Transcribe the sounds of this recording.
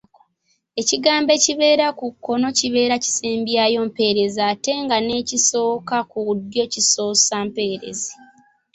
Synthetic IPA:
e̞ciɡaːmbe̞ciβe̞ːɾakukːo̞no̞ciβe̞ːɾaci̥seːmbjaːjo̞ːmpe̞ɾe̞zaːte̞ŋɡane̞ːciso̞ːkakuudjo̞ciso̞ːsampe̞ːɾe̞̰ze

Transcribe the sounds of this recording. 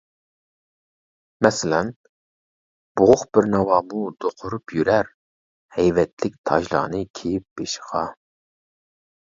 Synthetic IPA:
mɛsɪlɛn | b̥ʊʁʊχb̥ɪɾnɑwɑːmud̪̥oqʰʊɾupjyɾæɾ | hɛjvɛt̪ʰlɪk̚ʲt̪ʰɑ̰ʒlˠɑ̰nɨkʲʰejip̚b̥eʃɪ̥ʁɑ

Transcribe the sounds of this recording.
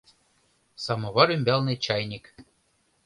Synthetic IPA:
sɑmɤ̆βɑɾymʲbʲælˠnɨt͡ɕɑjnʲik

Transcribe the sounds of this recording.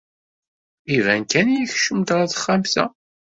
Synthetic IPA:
ivænkænjæçʃəmt̪ɾˤaθə̥χːamθæ̰

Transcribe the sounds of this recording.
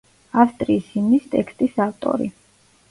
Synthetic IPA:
afst̪ʼɾiːsimnist̪ʼɛkʰst̪ʼisaft̪ʼɔ̰ɾḭ

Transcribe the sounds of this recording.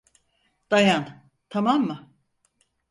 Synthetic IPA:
d̪̥ajan | t̪ʰamamːa

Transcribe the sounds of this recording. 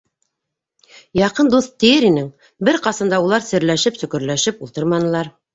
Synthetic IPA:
jɑqɤnd̪uθt̪ːɘ̆jɘɾinɘŋ | bɘɾqɑsɤ̆nd̪ɑulˠɑɾsɘ̆ɾlæʃɘpsɵ̆kɘ̆ɾlæʃɘpulˠt̪ɤɾmɑnɤ̆lˠɑɾ

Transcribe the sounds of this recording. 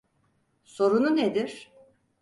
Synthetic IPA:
so̞ɾununed̪iɾ̥

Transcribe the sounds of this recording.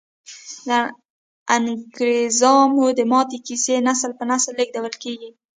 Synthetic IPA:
d̪ə | aŋɡɾezɑmud̪əmɑt̪ikisenasəlpənasəlːəɡ̚d̪awəlkeɡi

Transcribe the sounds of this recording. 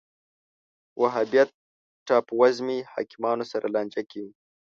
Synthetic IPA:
wʔaɦabijat̪̚ː | ɑpwazmihɑ̰kɪmɑnosaɾʔalɑnd͡ʒakiwi

